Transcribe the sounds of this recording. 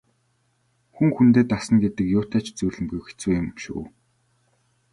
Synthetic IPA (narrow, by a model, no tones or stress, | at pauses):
xuŋxunt̪̬eːt̪asə̆nɡet̪ɘ̆kjʊːt̪ʰæːt͡ɕt͡sujɮɘ̆mɡujxe̥t͡suːjʊ̆mʃṵː